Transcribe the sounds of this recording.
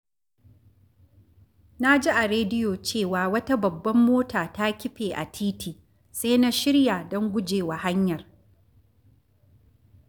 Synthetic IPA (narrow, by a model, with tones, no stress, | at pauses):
na˦d͡ʒi˦ʔa˨ɾeː˦dɪ˦joː˨t͡ʃeː˦˨waː˨wɐ˦ta˦bɐ˨bːɐ˦mːoː˦tʰaː˨ta˦kʲɪ˦ɸeː˨ʔa̰˨tʰiː˦tiː˨ | sa˦jna˦ʃɪ˦ɽja˨dɔ˦ŋɡʷʊ˦d͡ʒeː˨wa˨ha˦ɲjɐ˨r